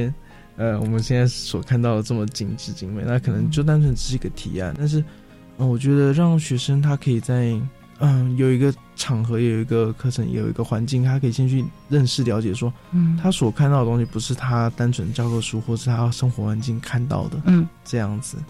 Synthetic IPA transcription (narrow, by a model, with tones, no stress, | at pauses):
ɛ˥n | ə˧wɔ̰˨˩mə˦nɕjɛ˥˧nt͡sa˥˩ɪ˥˩swɔ˨˩kʰa˥˧nt̪ɑ˥˩ʊd̪ə˩ʈ͡ʂɤ˥˩mə˩t͡ɕi˨˩ŋʈ͡ʂɻ̩˥˩t͡ɕi˧˥ŋwe˥˩ɪna˥kʰɤ˨˩nɤ˧˥ŋt͡ɕjo˥˩ʊt̪̬a˥nt͡sʰə˧˥nʈ͡ʂ̩˧˩ʂɻ̩˥˩i˧˥ɡə˧t̪ʰḭ˨˩˦a̰˥˩˧nt̪a˥˧nʂ̬ɻ̩˥˩ | ə˩wɔ˨˩t͡ɕɥɛ˧˥d̪ə˧ɻɑ˥˩ŋɕɥɛ˧˥ʂə˥ŋt̪ʰa˥kʰɤ˧˥i˨˩t͡sa˥˩ɪ | ə˧jo˨˩ʊi˧˥ɡə˧ | ʈ͡ʂʰɑ˨˩ŋxɤ˧˥jo˨˧˩jo˨˩i˧˥ɡə˧kʰɤ˥˧ʈ͡ʂʰɤ˧˥ŋjo̰˨˩ʊḭ˧˥ɡə˧xwa˧˥nt͡ɕi˥˩ŋt̪ʰa˥kʰɤ˧˥i˨˩ɕjɛ˥˧nt͡ɕʰy˥˧ | ɻə˥˧nʂɻ̩˥˩ljɑ˧˥t͡ɕjɛ˨˩ʂwɔ˥ | t̪ʰa˥swɔ˨˩kʰt̪ɑ˥˩d̪ə˩t̪ʊ̃˥ŋɕi˧˩pu˧˥ʂɻ̩˥˩t̪ʰa˥t̪a˥nʈ͡ʂʰə˧˥n˧t͡ɕjɑ˥ʊkɤ˥˧ʂu˥xwɔ˥˩ʂɻ̩˥˩t̪ʰa˥ʂə˥ŋxwɔ˧˥xwa˧˥nt͡ɕi˥˩ŋkʰa˥˧nt̪ɑ̰˥˩ʊd̪ə˩˥ʈ͡ʂɤ˥˧jɑ˥˩ŋd͡zɹ̩˨˩